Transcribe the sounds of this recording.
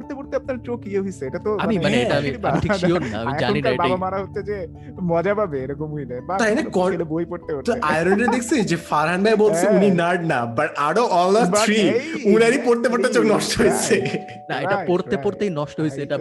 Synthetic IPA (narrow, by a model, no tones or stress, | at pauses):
ɾt̪epoɾt̪eap̚naɾt͡ɕokieɦojsʰeeʈat̪oamimaneeʈaamiamiʈʰikʃionːaa̰mmid͡ʑa̰niaebabamaɾaɦotːʃʰed͡ʑe | mɔd͡ʑabʱabeeɾɔkomuinajbat̪ajnakɔlebojpoɾt̪eoɾt̪ajɾonɖed̪ekʰt͡ɕʰed͡ʑefaɾɦanbajbolt͡ɕʰeuninaɖnabaʈaɽoʔɔlaɾiunaɾipoɾt̪epoɾt̪et͡ɕoknɔʃʈoɦojt͡ɕʰe | naeʈapoɾt̪epoɾt̪ejnɔʃʈoɦojt͡ɕʰeeʈa